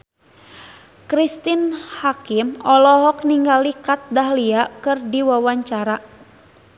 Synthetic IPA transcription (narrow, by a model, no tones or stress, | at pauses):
kɾist̪inhakimɔlɔɦɔk̚niŋɡalikat̪̚daɦliakɨrdiwawaɲt͡ʃaɾa